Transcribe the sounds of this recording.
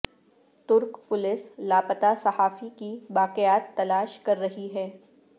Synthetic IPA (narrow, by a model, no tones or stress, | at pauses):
t̪ʊɾkpʊlɪslaːpət̪asɐhaːfikiʋaːqɪjaːt̪ːɐlaːʃkɐɾːɐɦiɦɛː